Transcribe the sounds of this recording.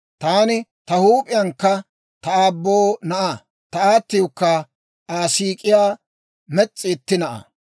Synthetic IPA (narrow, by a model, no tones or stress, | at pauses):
t̪aːnɪt̪ɐhuːpʼɪjɐŋkːɐ | t̪ɐaːbːoːnɐʔa | t̪ɐaːt̪ːɪjɔkːɐ | aːsiːkʼɪjaː | mɛt͡sʼːɪːt̪ːɪnɐʔɐ̰